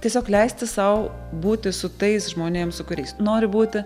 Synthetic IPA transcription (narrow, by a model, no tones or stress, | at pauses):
t̪ʲiɛsʲoːklʲɛɪsʲt̪ʲɪsɐʊbuːt̪ʲɪsʊt̪ɐɪsʒmoːnʲeːmsʊkʊɾʲɛɪsnoːɾʲɪbuːt̪ʲɪ